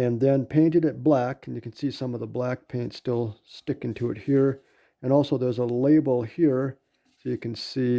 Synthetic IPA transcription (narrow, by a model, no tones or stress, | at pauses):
ɨ̃nðɨ̃npʰẽɪ̃ntɨɾɨt̚b̥lækn̩jɨkn̩sisʌ̃mʌvðəblæk̚pʰẽɪ̃ntstɪlˠstɪkɪ̃ntʰʉɨ̰t̚hiɹ | ɨ̃ñɔlˠsoʊðə˞zəleɪbl̩ˠhiɹ | soʊjɨkɨ̃n̩si